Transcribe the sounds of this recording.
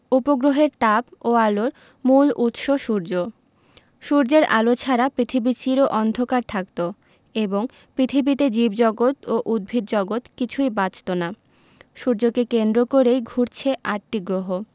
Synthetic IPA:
upoɡɾoɦeɾt̪aboaloɾ | mulut̪ʃoʃuɾd͡ʑo | ʃuɾd͡ʑeɾa̰lot͡ɕʰaɾapɾit̪ʰibit͡ɕiɾoʔɔnd̪ʱokaɾt̪ʰakt̪o | eboŋ | pɾit̪ʰibit̪ed͡ʑibd͡ʑɔɡot̪oʔud̪̚bʱiɾd͡ʑɔɡot̪kit͡ɕʰujbat͡ɕt̪ona | ʃuɾd͡ʑokekend̪ɾokoɾejɡʱuɾt͡ɕʰeʔaʈʈiɡɾoɦo

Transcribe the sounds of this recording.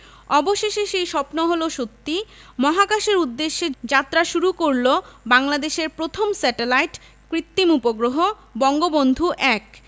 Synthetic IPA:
ɔboʃeʃeʃejʃɔpnoɦoloʃot̪ːimɔɦakaʃeɾud̪ːeʃːed͡ʑat̪ːɾaʃuɾukoɾlobaŋlad̪eʃeɾpɾot̪ʰomsɛʈelajʈ | kɾit̪ːimupoɡɾoɦo | bɔŋɡobond̪ʱuʔɛk

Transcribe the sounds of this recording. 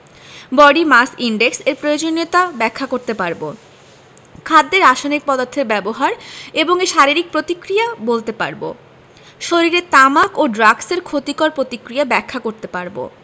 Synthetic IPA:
bɔɖimasiɳɖekseɾpɾojod͡ʑonːet̪abɛkʰːakoɾt̪epaɾbo | kʰad̪ːeɾaʃonik̚pɔd̪oɾt̪ʰeɾbɛboɦaɾeboŋeʃaɾiɾik̚pɾot̪ikɾijabolt̪epa̰ɾbo̰ | ʃoɾiɾet̪amakoɖɾaɡseɾkʰot̪ikoɾpɾot̪ikɾijabɛkʰːakoɾt̪epaɾbo̰

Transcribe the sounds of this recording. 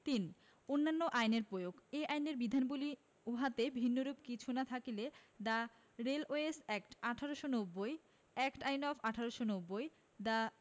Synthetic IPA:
t̪in | onːanːoʔajneɾpɾojoɡeʔajneɾbid̪ʱanbuli | uɦat̪ebʱinːoɾupkit͡ɕʰunat̪ʰakiled̪a | ɾeloesɛkʈaʈʰaɾoʃonobːoj | ɛkʈajnɔfʰaʈʰaɾoʃonobːoj | d̪a

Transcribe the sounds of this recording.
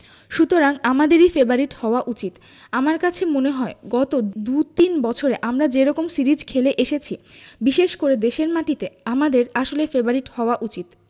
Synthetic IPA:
ʃut̪oɾaŋamad̪eɾifebaɾiʈhɔoaʔut͡ɕit̪ | amaɾkat͡ɕʰemoneɦɔeɡɔt̪od̪ut̪inbɔt͡ɕʰoɾeʔamɾad͡ʑeɾɔkomsiɾid͡ʑkʰeleʔeʃet͡ɕʰibiʃeʃkoɾed̪eʃeɾmaʈit̪eamad̪eɾaʃolefebaɾiʈhɔoaʔut͡ɕit̪

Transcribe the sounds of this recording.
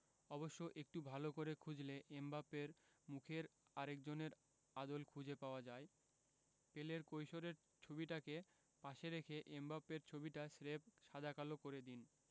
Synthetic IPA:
ɔboʃːoʔek̚ʈubʱalokoɾekʰud͡ʑleʔembapːeɾ | mukʰeɾaɾek̚d͡ʑoneɾ | ad̪olkʰud͡ʑʱepaoad͡ʑae | peleɾkojʃoɾeɾ | t͡ɕʰobiʈake | paʃeɾekʰeʔembapːeɾt͡ɕʰobiʈasɾepʃad̪ʱakalokoɾed̪in

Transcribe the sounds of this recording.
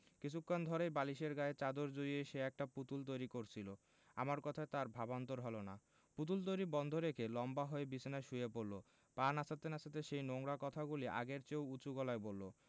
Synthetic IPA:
kit͡ɕʰukːand̪ʱɔɾejbaliʃeɾɡaet͡ɕad̪oɾd͡ʑoieʃeɛk̚ʈaput̪ult̪ojɾikoɾt͡ɕʰilo | a̰maɾkɔt̪ʰaet̪aɾbʱabant̪oɾɦɔlona | put̪̬ult̪̬ojɾibɔnd̪ʱoɾekʰelɔmbaɦoebisʰnaʃujepoɾlo | panasʰat̪enasʰat̪̬eʃejnoŋɾakɔt̪ʰaɡuliʔa̰ɡeɾt͡ɕewut͡ɕuɡɔlaebolːo

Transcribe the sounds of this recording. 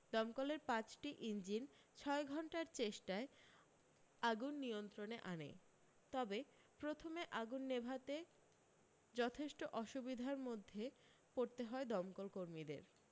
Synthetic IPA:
d̪ɔmkoleɾpãt͡ɕʈiʔind͡ʑin | t͡ɕʰɔeɡʱɔɳʈaɾt͡ɕeʃʈae | aɡunːijont̪ɾoneʔanḛ | t̪ɔbe | pɾot̪ʰomeʔaɡunːebʱat̪e | d͡ʑɔt̪ʰeʃʈoʔɔʃubid̪ʱaɾmod̪ʱːe | poɾt̪eɦɔed̪ɔmkolkoɾmid̪ḛɾ

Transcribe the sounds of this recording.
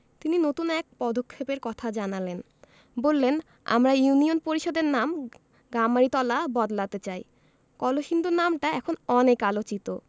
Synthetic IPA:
t̪ininot̪unɛk̚pɔd̪okʰːepeɾkɔt̪ʰad͡ʑanalen | bolːen | a̰mɾajunionpoɾiʃod̪eɾnam | ɡamːaɾit̪ɔlabɔd̪lat̪et͡ɕaj | kɔloʃind̪ʱonamʈaɛkʰonɔnekalot͡ɕit̪o

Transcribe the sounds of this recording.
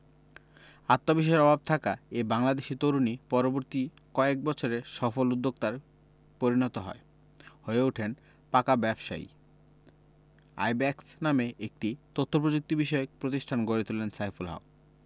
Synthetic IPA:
at̪ːobiʃ̬ɔeɾɔbʱab̚t̪ʰakaebaŋlad̪eʃit̪oɾunipɔɾoboɾt̪i | kɔek̚bɔt͡ɕʰoɾeʃɔfolud̪ːok̚t̪aɾ | poɾinɔt̪oɦɔ̰e | hoeuʈʰen | pakabɛbʃa̰j̰ | a̰jbɛksnameʔek̚ʈit̪ot̪ʰːop̬ɾod͡ʑok̚t̪ibiʃɔek̚pɾot̪iʃʈʰanɡoɾet̪ulensajfulɦa̰o

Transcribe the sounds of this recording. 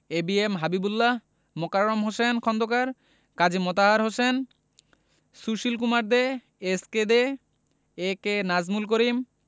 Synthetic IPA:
ebiemɦabibulːa | mɔkaɾɾomɦosenkʰɔnd̪okaɾ | kad͡ʑimɔt̪aɦaɾɦosen | suʃilk̬umaɾd̪eː | sked̪e | ekenazmulk̬oɾim

